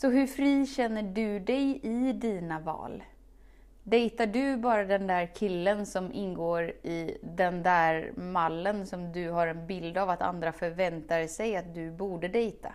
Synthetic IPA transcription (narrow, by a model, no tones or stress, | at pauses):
sɔɦɵɾfɾiːɕɛnːəɖɵd̪ɛjɪd̪iːnavɑ̰ːl | d̪ɛjt̪aɖɵbɑːɾad̪ɛnd̪æːɾkʰɪlːənsɔmʔɪnɡoːɾɪd̪ɛnd̪æɾmalːənsɔmd̪ɵɦaɾɛnbɪld̪avat̪a̰nd̪ɾafœɾvɛnt̪aɾsɛjat̪̚d̪ɵbuːɖəd̪ɛjt̪ʰa̰